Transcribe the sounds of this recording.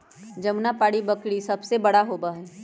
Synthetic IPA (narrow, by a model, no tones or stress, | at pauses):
d͡ʒɐmnapaːɽibɐkɽisɐbsebɐɽaɦoːbaɦɛː